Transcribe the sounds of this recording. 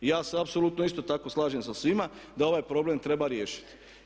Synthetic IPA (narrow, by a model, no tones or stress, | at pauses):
jaːseapso̞lut̪noist̪o̞t̪ako̞slˠaːʒemsasʋimad̪ao̞ʋaːjpɾo̞blemt̪ɾe̞baɾje̞ːʃi̥t̪